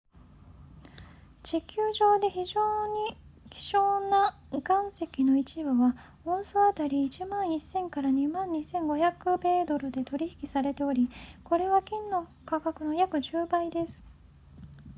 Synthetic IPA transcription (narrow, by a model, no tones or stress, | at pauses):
d͡ʑikʲɨːʑo̞ːd̪e̞çiʑo̞ːɲ̟ikʲi̥ɕo̞ːna | ɡãɰ̃se̞kʲino̞it͡ɕibɯ̟βa | õ̞ɰ̃soat̪aɾʲiːt͡ɕimãɰ̃isːẽ̞ŋkaɾaɲ̟imãɲ̟ːisẽ̞ŋɡo̞çakɯ̟be̞ːd̪o̞ɾɯ̟d̪e̞t̪o̞ɾʲiçi̥kʲi̥saɾe̞t̪e̞o̞ɾʲiko̞ɾe̞βakʲĩnːo̞kakakɯ̟no̞jakɯ̟ʑɨːbaid̪e̞sɨ̥